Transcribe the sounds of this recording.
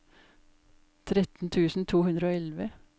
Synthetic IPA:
t̪ʰɾɛt̪n̩t̪ʰʉːsn̩t̪ʰuːhʉnɾəoːɛlʋə

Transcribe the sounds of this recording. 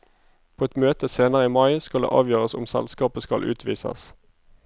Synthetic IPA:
pʰoːɛt̪møːt̪əseːnəʁəiːmɑɪskɑld̪ḛːʔɑ̰ːʋjøːʁəsʊmsɛ̰lskɑːpəskɑlʔʉ̰ːt̪ʰʋiːsə̰s

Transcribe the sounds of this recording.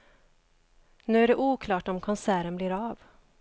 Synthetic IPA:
nʉ̟ːæɖɛʔuːkʰlɑːʈɔmkʰɔnsæːɾənblɪɾɑːv

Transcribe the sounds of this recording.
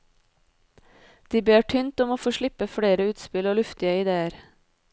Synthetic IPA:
d̪̥iːbeːʈʰʏnt̪ɔmoːfoːʃɭɪpəfɽeːɾəʉːt̪spɪloːlʉft̪ɪəɪd̪eːəɾ

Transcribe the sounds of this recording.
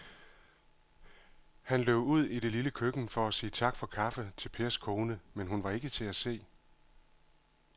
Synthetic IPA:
hænleʊ̰uð̞̰ˠiɾe̝liləkʰøɡ̥n̩fɒ̽æsiːt͡sʰɑ̈ɡ̥fɒ̽kʰɑ̈fət͡sʰe̝lpʰe̝ːɐskʰoːnəmenɦunʋɑ̈e̝ɡ̥ət͡sʰe̝æse̝̰ː

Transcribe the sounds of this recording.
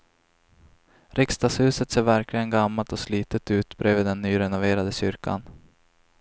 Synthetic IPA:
ɾɪkst̪ɑːshʉ̟ːsət̪seːɾvæɾklɪɡənɡamːalt̪ɔsliːt̪ət̪ʉ̟ːt̪bɾøːvɪːd̪ɛnːyːɾɛnʊveːɾad̪əɕʏɾkʰa̰n

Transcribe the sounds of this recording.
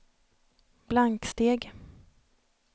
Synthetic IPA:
b̥laŋkst̪eːɡ

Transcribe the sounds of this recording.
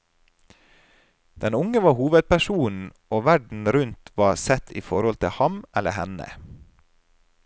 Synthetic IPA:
d̪̥ɛnʊŋəʋɑːhuːʋəd̪̚pæʃuːnn̩ | oːʋæɖɳ̩ɾʉnt̪ʰʋɑːsɛt̪ʰḭːfɔɾɔlt̪ʰɪhɑmʔɛlə̰hɛnə̰

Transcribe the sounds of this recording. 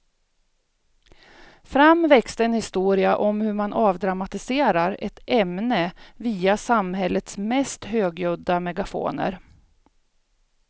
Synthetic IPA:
fɾamvɛkst̪əɛnhɪst̪uːɾɪaʔɔmhɵɾmanʔɑːvd̪ɾamat̪ɪseːɾaɾɛt̪ɛmnəviːasamɦɛlːət̪smɛst̪høːɡjɵd̪ːamɛɡafo̰ːnə̰ɾ

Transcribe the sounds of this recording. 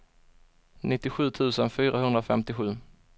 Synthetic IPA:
nʔɪt̪ːɪɧʉ̟ːt̪ʰʉ̟ːsənfyːɾaɦɵnd̪ɾaofɛmt̪ɪɧʉ̟ː

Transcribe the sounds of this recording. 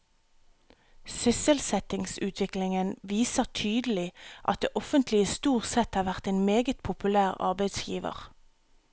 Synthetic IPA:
sʏsəlsɛt̪ɪŋsʉːt̪ʰʋɪklɪŋənʋiːsəʁt̪ʰyːd̪əl̩ɪʔɑ̰t̪̚d̪ḛːʔɔfənt̪lɪəst̪uːʁt̪sɛt̪hɑːʁʋæʁt̪eːnmeːɡət̪̚pʰʊpʉlæːʁɑ̰ʁbæɪd̪sjḭːʋə̰ʁ

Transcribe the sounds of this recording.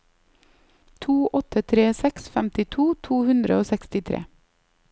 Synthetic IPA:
t̪ʰuːʔɔt̪ʰət̪ʰɾeːsɛksfæmt̪ɪt̪ʰuːt̪ʰuːhʉnd̪ɾə̰oːsɛkst̪ɪt̪ʰɾḛː

